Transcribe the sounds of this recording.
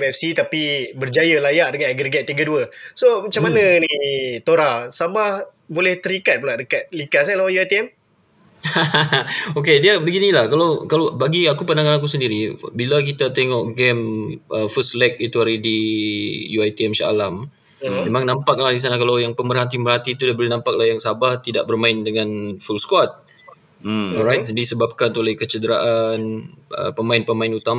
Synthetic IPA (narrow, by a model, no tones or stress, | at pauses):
mɛfsit̪apibərd͡ʒajəlajaʔdəŋanaɡɾeɡet̪̚ːiɡəduəsomat͡ʃamːananit̪oɾasamah | bolɛht̪əɾikat̪̚pulaʔdəkat̪̚likas̬alaajuajt̪iɛm | haokediabəɡinilahkalawkalawbaɡiakupəndaŋanak̬us̬əndiɾibilak̬it̪at̪eŋɔʔɡɛmʔəfəslɛk̚it̪uaɾidi | juajt̪iɛmʃa̰a̰lam | memãŋnampak̚lahdis̬anakalawjaŋpəmərɦat̪iəmbərɦat̪iːt̪udiabəlinãmpak̚lahjaŋsabaht̪idaʔ̚bərmaɪndəŋanfulskwɔt̪̚ | ɔlɾajt̪̚disəbap̚kant̪ulɛhkət͡ʃədəɾaʔanʔə̰pəmaɪnpəmaɪnut̪ama